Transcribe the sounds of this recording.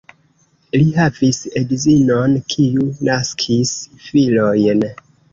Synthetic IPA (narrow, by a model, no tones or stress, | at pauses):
lihavisedzinonkʰiunaskʰisfilo̞jn